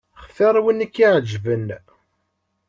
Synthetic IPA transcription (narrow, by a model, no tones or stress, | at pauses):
χθæɾˤwinːikːiʕəd͡ʒvən